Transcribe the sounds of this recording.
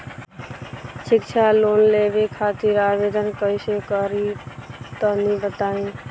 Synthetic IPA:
ʃɪkt͡ʃʰaloːnleːbekʰaːt̪iɾaːʋeːd̪ʱənkəɪsekəɾit̪ənibət̪aːẽː

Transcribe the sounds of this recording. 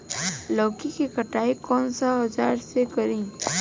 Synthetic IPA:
lɔːkikekəʈaːikɔnsaɦəd͡ʒaːɾsekəɾĩː

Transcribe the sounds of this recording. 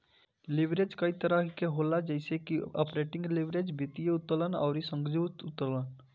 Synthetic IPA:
lɪʋɾeːd͡ʒkɐit̪əɾəkeɦoːlad͡ʒɛɪsekiɔ̰ːpɾeːʈɪ̃ŋɡlɪʋɾeːd͡ʒbɪt̪ijeʊt̪ːələnɔ̰ːɾisə̃ŋɡd͡ʒuːt̪ʊt̪əɾlən

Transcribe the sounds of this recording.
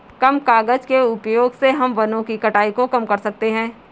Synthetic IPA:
kɐmkaːɡəd͡ʒkeʊpjoːɡseɦɐmʋɐnõkikɐʈaːikokɐmkɐɾsɐk̚t̪eɦɛ̃ː

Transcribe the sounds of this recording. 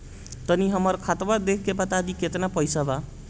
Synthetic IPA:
t̪ʌniɦʌmʌrkʰat̪bad̪ekʰkepʌt̪ad̪iket̪ʌnapʌjsaba

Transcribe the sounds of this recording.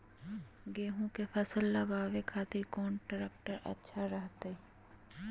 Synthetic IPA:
ɡeːɦõkepʰɐsəlːɐɡaːʋekʰaːt̪ɪɾkɔːnʈəɾek̚ʈəɾɐ̰tːʃʰaɾəɦt̪e

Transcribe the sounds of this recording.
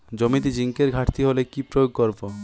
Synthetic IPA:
d͡ʑomit̪̬id͡ʑiŋkeɾɡʱaʈʰt̪ʰiɦolekipɾojoɡ̚koɾbo

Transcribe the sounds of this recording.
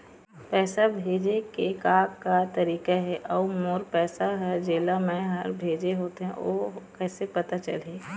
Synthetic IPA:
pɛːsabʱeːd͡ʒekekaːkːat̪ɐɾiːkaɦɛʔɔːmoːɾpɛːsaɦɐɾd͡ʒeːlamɛ̃ɦə̰ɾbʱeːd͡ʒeɦoːt̪eɦɛ̰̃o̰kɛːsepɐt̪at͡ʃɐ̰leː

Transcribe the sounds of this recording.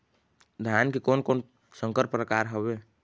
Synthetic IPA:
d̪ʱjankekoːnkoːn | sə̃ŋkəɾpɾəkaːɾɦobeː

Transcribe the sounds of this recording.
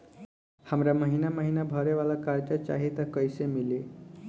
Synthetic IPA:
hamɾjaməɦinaməɦinabʱəɾeʋalakaɾd͡ʑat͡ɕa̰ɦit̪əkəjsemile

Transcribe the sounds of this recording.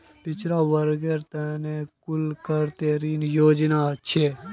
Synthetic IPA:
pɪt͡ʃɾaʋəɾɡeːɾt̪ɛːnekʊlkəɾt̪eːɾiːnjoːd͡ʒnaʃʰe

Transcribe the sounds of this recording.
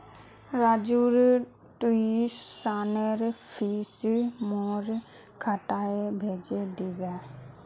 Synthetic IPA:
ɾaːd͡ʒuːɾ | ʈuisːaːnəɾpʰiːsmoːɾ | kʰaʈaebʱeːd͡ʒed̪ibɛ

